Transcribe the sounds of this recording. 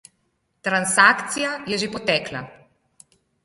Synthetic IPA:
t̪ɾansaːkt̪sijajɛʒepɔt̪ɛːkla̰

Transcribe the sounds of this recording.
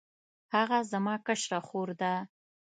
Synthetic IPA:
haɣazamɑkəʃɾaxoɾd̪a

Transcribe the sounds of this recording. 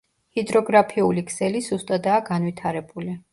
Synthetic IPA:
hid̪ɾɔɡɾapʰiulikʰsɛlisust̪ʼad̪aːɡan̪vit̪ʰaɾɛbuli

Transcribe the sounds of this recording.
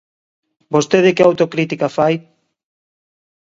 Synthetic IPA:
bost̪eðɪkɪawt̪okɾit̪ikafaj

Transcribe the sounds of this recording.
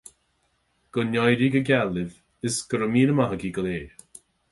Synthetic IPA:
ɡ̥ʊnjɔjɾiɡəɡʲɛlɪv | ɪsɡ̥əɾəmiːnəmaɦəɡiɡəleː

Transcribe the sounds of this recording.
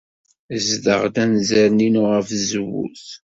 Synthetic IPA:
zdə̰ʁd̪ænzæɾninʊʁəfzəwːṵθ

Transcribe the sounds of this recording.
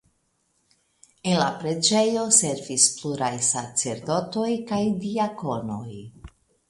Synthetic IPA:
enlapɾe̞d͡ʒe̞jo̞se̞ɾvispluɾajsat͡se̞ɾdo̞to̞jkajdiako̞no̞j

